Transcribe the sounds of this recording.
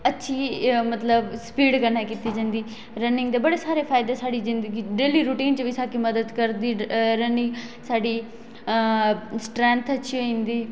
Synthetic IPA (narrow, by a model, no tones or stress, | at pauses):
ətːʃʰiːmət̪ləbspiːɖkəɾnaːkiːt̪iːd͡ʒãːnd̪iː | ɾənɪŋɡd̪eːbəɽeːsaːɾeːpʰaːɪd̪eːsaːɽiːzɪnd̪əɡiːɖeːliːɾuʈiːnt͡ʃʋisaːkiməd̪əd̪kəɾd̪iːɾənɪ̃saːɖiː | sʈɾɛ̃ːnt̪ʰətːʃʰiːoĩnd̪iː